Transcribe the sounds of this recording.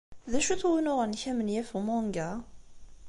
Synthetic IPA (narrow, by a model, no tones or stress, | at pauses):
ðæʃuθwinʊʁançæmənjæfumɑŋɡæ